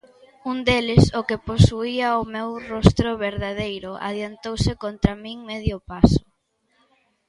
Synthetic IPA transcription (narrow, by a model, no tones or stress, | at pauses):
und̪elɪsʊkɪposuiɐʊmewrɔst̪ɾʊβeɾðaðejɾʊʔa̰ðjant̪owsɪkont̪ɾamĩŋmeðjʊpasʊ̥